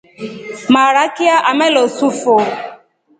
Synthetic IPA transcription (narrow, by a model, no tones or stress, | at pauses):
maɾakɪaʔamelosufo